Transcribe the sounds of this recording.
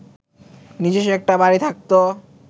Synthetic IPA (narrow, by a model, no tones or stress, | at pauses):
nid͡ʑeʃɛk̚ʈabaɾit̪ʰak̚t̪o